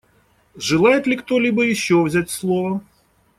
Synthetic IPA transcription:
ʐɨlˠajɪt̪lʲɪkt̪olʲibəjɪɕːovzʲætʲslˠovə

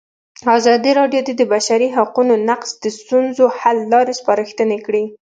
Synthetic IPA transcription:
azɑd̪iɾɑɖjod̪ed̪əbaʃaɾiɦaqunonaqsd̪̥əst̪unzohalːɑɾespɑɾəxt̪ənekɽi

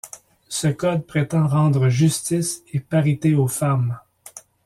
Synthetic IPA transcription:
səkɔd̪̚pʁet̪ɑ̃ʁɑ̃ːd̪ʁəʒyst̪isepaʁit̪eofam

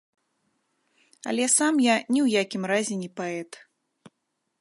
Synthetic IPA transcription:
ɐ̰lʲɛsamjanʲɛwjakʲimrazʲɛnʲɛpaɛt̪

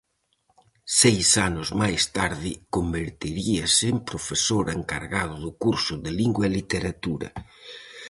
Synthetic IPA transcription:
sejsanʊzmajst̪aɾðɪkombeɾt̪iɾiasɪːmpɾofesoɾeŋka̰ɾɣaðʊðʊkuɾsʊðɪliŋɡwaɛlit̪eɾat̪uɾɐ̰

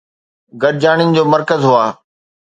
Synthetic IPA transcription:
ɡɐɾd͡ʑaːɽ̃ɪnɪ̆d͡ʑoːmɐɾkəzɦʊaː

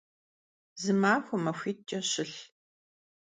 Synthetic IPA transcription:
zɨmaːxʷʊmɐxʷiːtʼɐɕɪɬ

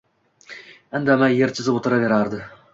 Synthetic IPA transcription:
and̪amajːeɾt͡ʃʰɪzɪbot̪ʰɨɾave̞ɾaɾd̪ɨ

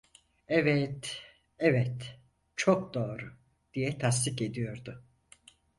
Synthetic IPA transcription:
ɛvɛt̪ | ɛvɛt̪ | t͡ʃʰok̚d̪o̞ːɾʊ | d̪̥ijɛt̪ʰast̪iked̪ijo̞ɾd̪ʊ

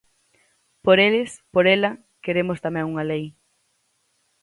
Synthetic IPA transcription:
poɾelɪspoɾelɐ | keɾemost̪amɛ̃ŋuŋɐlej

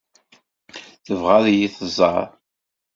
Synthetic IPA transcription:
θəvʁaðjiθəzˤɑ̰ɾˤ

